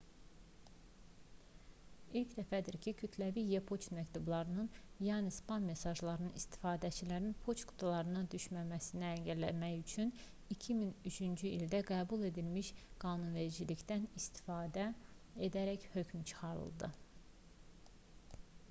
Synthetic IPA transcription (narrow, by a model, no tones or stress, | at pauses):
ilcd̪æfæd̪iɾcʰicʰyt̪ʰlævijepʰo̞t͡ʃmækt̪ublˠɑɾɯnɯnjɑːnispɑnme̞sɑʒlˠɑɾɯnɯnist̪ʰi̥fɑːd̪æt͡ʃʰilæɾinpʰo̞t͡ʃɡu̥t̪ʰulˠɑɾɯnɑd̪yʃmæmæsiniæɲɟæɾlæ̰mæjyt͡ʃʰyn | icʰiminyt͡ʃʰynd͡ʒyild̪æɡæːbulˠe̞d̪ilmiʃɡ̥ɑːnunve̞ɾid͡ʒiliçd̪ænist̪i̥fɑːd̪æ | ed̪æɾæçhø̞cʰmt͡ʃʰɯ̥χɑɾɯ̰lˠd̪ɯ̰